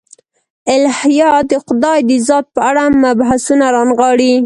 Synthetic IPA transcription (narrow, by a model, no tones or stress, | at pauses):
ɪlhjɑd̪əqʊd̪ɑjd̪əzɑt̪̚pəaɽamabɦasunaɾɑnɣɑɽi